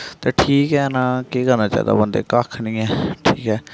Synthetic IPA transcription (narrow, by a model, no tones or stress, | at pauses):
t̪eːʈʰiːkɦɛːnaːkeːkəɾnaːt͡ʃa̰ːḭd̪a̰ːbənd̪ḛːkakʰnĩːɛːʈʰiːkɦɛː